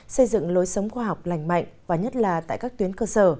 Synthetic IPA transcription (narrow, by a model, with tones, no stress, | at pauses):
sə˧jzɨ̰˧˨ŋlo˨˦jsə˨˦wŋ͡mxwaː˧ɦa˨˩wk͡p̚la˨˩jŋ̟ma̰˧˨jŋvaː˨˩ɲə˦˥t̚laː˨˩t̪a̰ː˧˨jkaː˦˥k̚t̪wi˨˦ənkəː˧səː˧˩